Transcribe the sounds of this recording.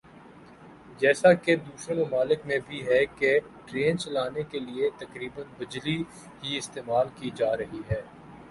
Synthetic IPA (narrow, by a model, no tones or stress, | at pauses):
d͡ʒɛːsaked̪uːsɾəɾmɐmaːlɪkmẽbʱiɦɛke | ʈɾeːnt͡ʃɐlaːnekeliet̪ɐkɾiːbənbɪd͡ʒli | ɦiɪst̪eːmaːlkid͡ʒaːɾɐɦiɦɛː